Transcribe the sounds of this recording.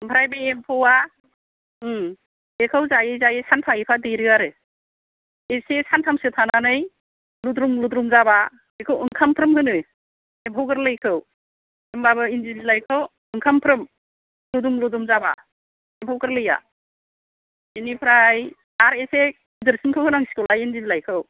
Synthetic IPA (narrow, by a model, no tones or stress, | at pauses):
mpʰɾajbeempʰowa | ekʰɯwzajezajesʰanpʰajipʰadɯjɾɯaɾɯ | esesʰantʰamsɯtʰananɯj | ludɾumludɾumzaba | ekʰɯwɯŋkʰampʰɾɯmhɯnɯj | ebʱawɡɯɾlɯjkʰɯw | embabɯinzillajkʰɯw | ɯŋkʰampʰɾɯm | ludumludumzaba̰ | ebʱawɡɯɾlɯja̰ | enipʰɾaj | aɾese | idɯɾsinkʰɯwhɯnaŋsi̥kʰɯwlajinzillajkʰɯw